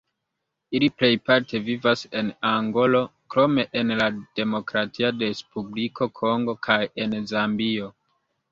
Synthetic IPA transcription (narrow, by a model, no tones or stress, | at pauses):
iliple̞jpaɾtʰe̞vivase̞naŋɡo̞lo̞kɾo̞me̞ʔenlad̥e̞mo̞kɾatʰiadespublikʰo̞kʰo̞ŋɡo̞kʰaje̞nzambio̞